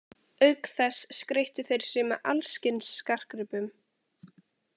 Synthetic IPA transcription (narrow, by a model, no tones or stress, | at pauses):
œɥkθɛsːkɾejht̪ʏθejɾ̥sɪmɛʔa̰lscɪnsːkar̥kɾʏpʏm